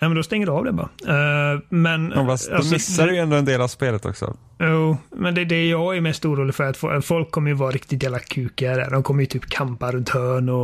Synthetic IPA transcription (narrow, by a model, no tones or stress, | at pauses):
nɛmɛnd̪ɔst̪ɛŋːədʉɑvd̪ɛbɑ̰ɾa̰ | mɛnfasasmɪsːadɪjɛnd̪oːɛnd̪eːlavspeːlət̪ʰɔ̰ksɔ̰ | juːmɛnd̪ɛd̪ɛæjɑɡjɪmɛst̪uːɾuːlɪɡfœɾat̪fɔfɔlkʰːɔmːəjɵvɑːɾɾɪkt̪ɪt̪jæːllakʰʉ̟ːkad̪æ̰ːɖɔmkʰɔmːəjʉt̪ʰyːpkʰampaɾɵnt̪hœːɳɔ